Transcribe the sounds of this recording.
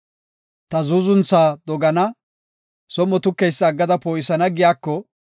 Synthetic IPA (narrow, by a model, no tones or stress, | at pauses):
t̪ɐzuːzʊnt͡sːaːd̪ɔɡɐnɐ | sɔmːɔt̪ʊkːɛjsːɡːɐd̪ɐpoːjɪsɐnɐɡɪjaːkːɔ